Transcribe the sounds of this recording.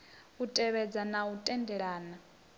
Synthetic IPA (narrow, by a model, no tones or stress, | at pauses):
utʼɛβɛd͡zanautʼɛndɛɺaːna